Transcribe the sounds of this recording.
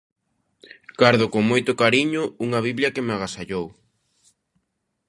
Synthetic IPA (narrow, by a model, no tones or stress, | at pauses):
kaɾðʊkoŋmojt̪ʊkaɾiɲʊuŋɐβ̞iβljɐkemaɣ̞asaʎow